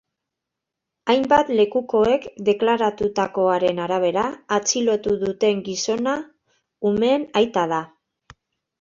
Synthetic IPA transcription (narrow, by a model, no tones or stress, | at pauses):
ajmbat̪le̞kuko̞e̞kd̪e̞klaɾat̪ut̪ako̞aɾe̞naɾaβ̞e̞ɾaːt͡silo̞t̪uðut̪e̞ŋɡiso̞na | ume̞najt̪aða